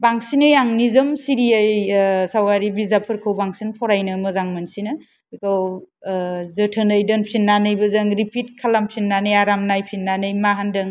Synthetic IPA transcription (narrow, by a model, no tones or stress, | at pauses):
baŋsinɯjaŋnizɯmsiɾijajsawɡaɾibizapʰɯɾkʰɯwbaŋsinpʰɔɾajnɯmɯzaŋmɯnsinɯ | ikʰɯw | zɯtʰɯnɯjdɯnpʰinːanɯjbɯzɯŋɾipʰit̚kʰalampʰinːanɯjaɾamnajpʰinːanɯjmaɦandɯŋ